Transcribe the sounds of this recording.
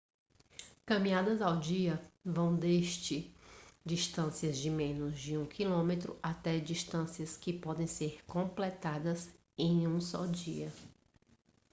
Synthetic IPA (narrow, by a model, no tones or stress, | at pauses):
kɐ̃mĩad̪ɐzawd͡ʒiɐvɐ̃w̃d̪eʃt͡ʃɪd͡ʒiʃt̪ɐ̃siɐzd͡ʒɪmẽnʊzd͡ʒɪũkʰilõmet̪ɾʊ̰ʔat̪ɛd͡ʒiʃt̪ɐ̃siɐskɪpɔd̪ẽj̃seɾkõplɛt̪ad̪ɐz | ẽj̃ũsɔ̰d͡ʒḭɐ